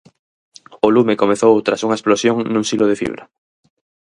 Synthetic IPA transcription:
olumekomeθowt̪ɾasuŋɐesplosjoŋnũŋsiloðefḭβɾa

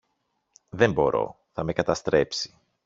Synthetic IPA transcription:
ðe̞mbo̞̰ɾo̞̰ | θɐme̞kɐt̪ɐst̪ɾe̞psi̥

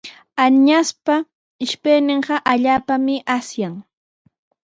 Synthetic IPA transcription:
aɲaspa | ɪʃpejnɪɴɢɑʔaʎaːpamɪʔasjaŋ

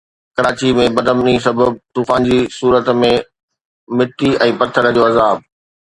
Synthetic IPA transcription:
kɐɾaːt͡ɕimẽbɐd̪əmnĩːsɐbəb̚t̪uːfaːnd͡ʑisuːɾət̪mẽ | mɪʈ̪iɛ̃ːpɐt̪ʰːəɾd͡ʑoːɐzaːb̚

